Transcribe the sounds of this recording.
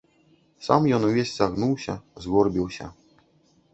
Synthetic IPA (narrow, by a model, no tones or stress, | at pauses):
sa̰mjɔnuvʲesʲzaɣnuwɕʲazɣɔrbʲiwɕʲa̰